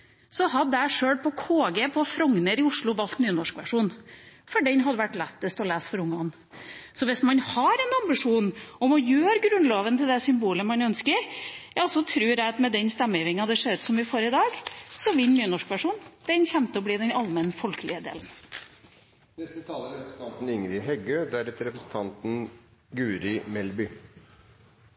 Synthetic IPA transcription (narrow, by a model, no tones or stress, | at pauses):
sɔɦɑd̪ːæʂøːɽpʰɔkʰoːɡeːpʰɔfɾɔŋnəɾɪʊʂɭʊʋɑlt̪nyːnɔʂkʋæ̰ʂuːnfɔɖɛnɦɑd̪ːəʋæʈːlɛt̪ːəst̪ɔlæːsfɔɾʊŋːəɔnː | sɔʋɪsmɑnhɑɾɛnɑmbɪʂuːnɔmɔjøːɾɡɾʉnloːʋənt̪ʰɪld̪ɛsʏmbuːləmɑnœnskəɾjɑɔsɔt̪ʰɾʉːɾæɑt̪mɛd̪ɛnst̪ɛmːəʋɪŋɑd̪ɛʂeːɾʉːt̪sɔmʋɪfoːɾɪd̪ɑːɡsɔʋɪlnyːnɔʂkʋæʂuːnd̪̥ɛnçɛnt̪əɔbliːd̪ɛnɑlmɛnəfɔlkəlɪəd̪ḛːln̩ | nɛst̪ət̪ʰɑːləɾɛpɾs̩t̪ɑnt̪n̩ɪŋɾɪɦɛɡøːd̪æɾɛt̪əɾɛpɾəsn̩t̪ʰɑnt̪n̩ɡʉːɾɪmɛlbʏ